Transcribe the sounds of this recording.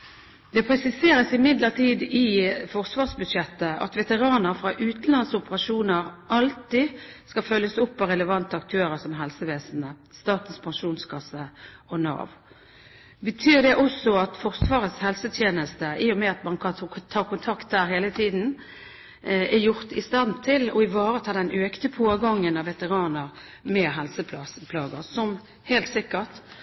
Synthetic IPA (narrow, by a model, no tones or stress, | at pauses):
d̪̥ɛpʰɾɛsɪseːɾəsɪmɪd̪ləʁt̪ʰiːd̪ɪfɔʁsʋɑːʁsbʉd̪ʃjɛt̪ːəɑ̰t̪ʋɛt̪əʁɑːnəɾfʁɑːʔʉːt̪n̩lɑnsɔpəʁɑʂuːnəʁʔɑlt̪ɪskɑfœlːəsʊpːɑɾɛləʋɑnt̪əɑkt̪ʰøːɾəsɔmɦɛlsəʋeːsnə | st̪ɑːt̪əspʰɑŋʂuːnskʰɑsːəɔnɑ̰ːʋ | bət̪ʰyːd̪ɛʔɔsɔɑt̪fɔʁsʋɑːʁət̪shɛlsət̪ʰjeːnəst̪əʔiːɔmɛɑt̪mɑnkʰɑt̪ʰɑːʁkʊnt̪ʰɑkt̪̚d̪æːɾɦeːlət̪ʰiːd̪n̩ | æjʊʁt̪ɪst̪ɑnt̪ʰɪlɔɪʋɑːʁət̪ʰɑːd̪ɛnʔøːkt̪əpʰoːɡɑŋːənɑʋɛt̪əʁɑːnəɾ | mɛɦɛlsəpʰɑpʰlɑːɡəsɔm | heːlt̪sɪkːəʁʈ